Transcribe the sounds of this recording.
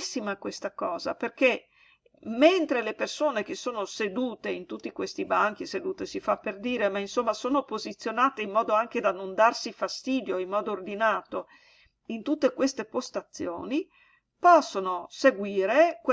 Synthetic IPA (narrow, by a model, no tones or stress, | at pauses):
sːimakwest̪akɔːza̰perke | ment̪ɾelepersoːnek̟esːoːnosed̪uːt̪eint̪ut̪ːikwest̪ibaŋk̟ised̪uːt̪esifapːerd̪iːɾemainsomːasoːnopozit̪sːjonaːt̪eimːɔːd̪oaŋk̟ed̪anond̪arsifast̪iːd̪joimːɔːd̪oːrd̪inaːt̪o | int̪ut̪ːekwest̪epost̪at̪sːjo̰ːni | pɔsːonoseɡwiːɾekw